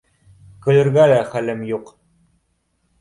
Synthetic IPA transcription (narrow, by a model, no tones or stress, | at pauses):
kɘ̆lɘ̆ɾɡælæχælɘmjuq